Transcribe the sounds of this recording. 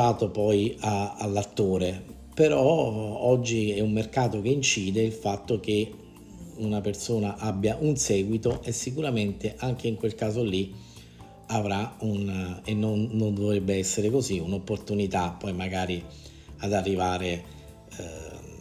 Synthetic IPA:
aːt̪opɔjaalːat̪ːoːɾe | peɾɔɔd͡ʒːiɛumːerkaːt̪ok̟eint͡ʃiːd̪eilfat̪ːok̟e | unapersoːnaʔabːjaʔunsɛːɡwit̪oʔesːikuɾament̪eʔaŋk̟eiŋkwelkaːzolːi | avɾaunenːonːond̪ovɾebːeɛsːeɾekoziunopːort̪unit̪apːɔjmaɡaːɾi | ad̪arːivaːɾe

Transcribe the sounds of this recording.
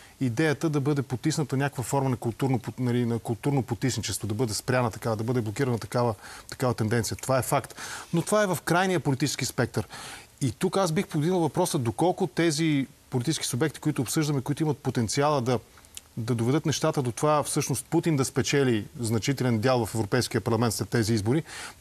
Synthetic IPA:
id̪ɛjət̪əd̪ɐbɤd̪ɛpot̪isnət̪ənʲakəkvəfɔɾmənɐkʊlˠt̪uɾnopnɐlinɐkʊlˠt̪uɾnopot̪isnit͡ʃɛst̪vod̪ɐbɤd̪ɛspɾʲanət̪ɐkavəd̪ɐbɤd̪ɛblˠok̟iɾənɐt̪ɐkavət̪ɐ̥kavət̪ɛnd̪ɛnt̪sijət̪ovaɛfakt̪not̪ovaɛvəfkɾajnijəpolʲit̪it͡ʃɛ̥skispɛk̚t̪əɾit̪ukasbixpoɡd̪inəlˠvɐpɾɔsəd̪okɔlˠkʊt̪ɛzipolʲit̪it͡ʃɛ̥skisʊbɛk̚t̪i̥koit̪ʊːpsɤʒd̪əmɛikoit̪ʊimɐt̪̚pot̪ɛnt̪sialˠəd̪ɐd̪ɐd̪ovɛd̪ɤt̪nɛʃt̪at̪əd̪ot̪ovafsɤʃnost̪̚put̪ind̪ɐspɛt͡ʃɛliznɐt͡ʃit̪ɛlɛnd̪jalˠvɐfɛvɾopɛjskiəpɐɾlˠɐmɛnt̪slɛt̪ːɛziizboɾi

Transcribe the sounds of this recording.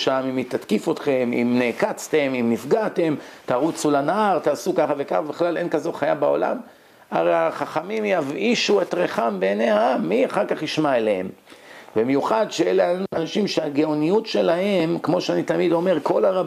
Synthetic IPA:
ʃamimit̪at̪kifo̞t̪χe̞mḭmneːkat͡st̪e̞mimnifɡat̪e̞mt̪aːʁut͡sulanaʁt̪aːsukaχave̞kaχabeχlale̞nkazo̞χajabao̞̰la̰m | aʁeaχaχamimjaviʃuet̪ʁeχambeneaamːiaχaʁkaχhiʃmaelehḛmbemjuχad̪ʃeeleananaʃimʃeaɡeonijutʃe̞laɦe̞mkmo̞ʃeanit̪amid̪o̞me̞ʁko̞laʁa

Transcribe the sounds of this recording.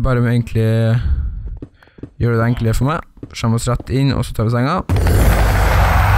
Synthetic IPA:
bɑːɾəmɛeːɡənkʰlɪ | jøːɖʉd̪ɛæŋkləəfɔmæɪʂɑmɑsɾæt̪ːɪnɔ̰sɔt̪ʰɑːɖ̪ɛsæɛŋːɑ

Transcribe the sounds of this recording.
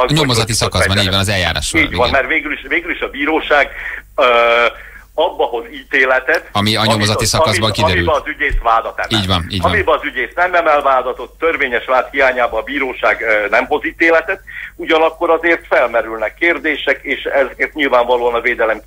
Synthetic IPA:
ɲomozɒt̪isɒkɒzzbɒniːɟvʋɒnɒzɛlja̰ːɾa̰ːʃoiːɟvɒnmɛrt̪veːɡyliʃʋeːɡyliʃɒbiːɾoːʃaːɡ | ɒbːɒɦo̞ziːt̪eːlɛt̪ɛt̪ɒmiɒɲomozɒt̪isɒkɒzbɒŋkid̪ɛmiylɛɒzyɟeːsvaːd̪ɒt̪ɛmɛiːlɟʋɒniːɒmibɛɒzyɟeːsnɛmɛmɛlvaːd̪ɒt̪o̞t̪ːø̞rveːɲɛʃʋaːt̪hijaːɲaːbɒːbiːɾoːʃaːɡnɛmɦo̞ziːt̪eːlɛt̪ɛt̪uɟɒnɒkːo̞ɾɒzeːrt̪fɛlmɛɾylnɛkːeːrd̪eːʃɛkeːʃɛzeːrt̪ɲilvaːɱvɒloːɒnɒveːd̪ɛlɛm

